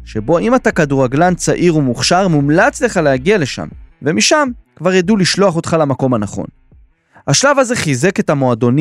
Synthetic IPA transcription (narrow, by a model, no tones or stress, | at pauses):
ʃe̞bo̞imatakaduʁaɡlant͡saʔiʁumuχʃaʁmumlat͡sle̞χalehaɡiale̞ʃa̰mve̞miʃamkvaʁjaduliʃlo̞aχo̞t̪χalamako̞manaχo̞̰n | aʃlavaze̞χize̞ke̞tamo̞ado̞n